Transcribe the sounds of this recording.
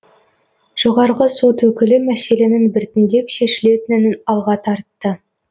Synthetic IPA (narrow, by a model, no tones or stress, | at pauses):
ʒ̥oʁɑɾʁəso̞t̪wɵkʲɪlɪmæse̞le̞nɪnbɪɾt̪ɪnd̪e̞pʃe̞ʃɪle̞t̪ɪnɪnɪnɑlˠʁɑt̪ʰɑɾt̪ːə